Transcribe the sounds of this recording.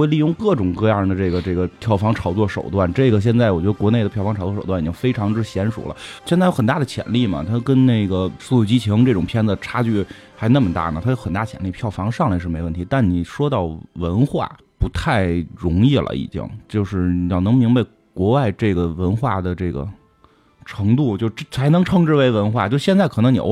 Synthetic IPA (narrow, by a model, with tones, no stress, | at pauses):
we˥˧ɪli˥˧jʊ˥˧ŋkɤ˥˩ʈ͡ʂʊ˨˩ŋkɤ˥˧jɑ˥˩ŋd̪ə˩ʈ͡ʂɤ˥˩ɡə˩ʈ͡ʂɤ˥˩ɡə˩pʰjɑ˥˩ʊfɑ˧˥ŋʈ͡ʂʰɑ˧˥ʊt͡swɔ˥˩ʂo˨˩ʊt̪wa˥˩nʈ͡ʂɤ˥˩ɡə˩ɕ̬jɛ˥˧nt͡sa˥˩ɪwɔ˨˩t͡ɕɥɛ˧˥ə˧kwɔ˧˥ne˥˩ɪdə˩pʰjɑ˥˩fɑ˥ʈ͡ʂʰɑ˧˥ʊt͡swɔ˥˩o˨˩ʊt̪wni˨˩t͡ɕʰi˥ŋfe˥ɪʈ͡ʂʰɑ˧˥ŋʈ͡ʂɻ̩˥˩ɕjɛ˧˥nʂṵ˨˩lə̰˦ɕjɛ˥˧nt͡sjo˥xə˨˩nt̪a˥˩d̪ə˩t͡ɕʰjɛ̰˨˧˩nli˥˩mɐ̰˩t̪ʰa˥kə˥nne˥˩ɪɡə˩su˥˧ju˥˩t͡ɕi˥t͡ɕʰi˧˥ŋʈ͡ʂɤ˥˩ʈ͡ʂʊ˨˩ŋpʰjɛ˥nd͡zə˨˩ʈ͡ʂʰa˥t͡ɕy˥˩ | xa˧˥ɪna˥˩mə˩t̪a̰˥˩nə˩t̪ʰa˥jo˧˥ʊxə˨˩nt̪a˥˩t͡ɕʰjɛ̰˨˩nli˥˧pʰjɑ˥˩ʊfɑ˧˥ŋʂɑ˥˧ŋla˧˥ɪʂɻ̩˥˩e˧˥ɪwə˥˩nt̪ʰi˧˥t̪a˥˩nni˨˩ʂwɔ˥t̪ɑ˥˩ʊwə˧˥nxwa̰˥˩ | pu˧˥t̪ʰa˥˩ɪɻʊ˧˥ŋi˥˩lə̰˩ḭ˧˩t͡ɕḭ˥˩ŋt͡ɕjo˥˧ʊʂɻ̩˥˩ni˧˩jɑ˥˩ʊnɤ˧˥ŋmi˧˥ŋba˧ɪ | kwɔ˧˥wa˥˧ɪʈ͡ʂɤ˥˩ɡə˩wə˧˥nxwa̰˥˩d̪ə˩ʈ͡ʂɤ˥˩ɡə̰˩ | ʈ͡ʂʰɤ˧˥ŋt̪u˥˧t͡ɕjo˥˧ʊʂt͡sʰa˧˥ɪnɤ˧˥ŋʈ͡ʂʰɤ˥ŋʈ͡ʂɻ̩˥˩we˧˥ɪwə˧˥nxwa˥˩t͡ɕo˥˧ʊʂ̩˥˧ɕjnt͡sa˥˩ɪkʰɤ˨˩nɤ˧˥ŋni˨˩o̰˧˥